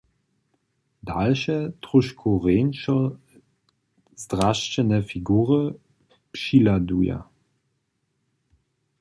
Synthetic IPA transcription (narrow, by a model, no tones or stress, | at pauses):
dalʃətʁʊʃkʰoʁeːnʃɔ | zdʁaʃt͡ɕənəfiɡuːʁə | pʃiladuja̰